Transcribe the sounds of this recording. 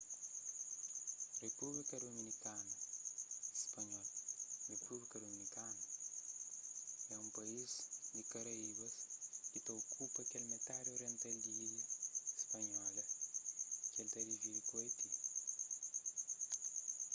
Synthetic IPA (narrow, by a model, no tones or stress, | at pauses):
republikɐd̪ominikanɐ | ispɐɲɔlrepublikɐd̪ominikanɐ | ɛũmpɐizd̪ikɐɾɐiβɐskit̪ɐokʰupɐkɛlmet̪aɾjoɾɛ̃nt̪ɐldiiɾjɐspɐɲɔlɐ | kelt̪ɐɾiveipoet̪i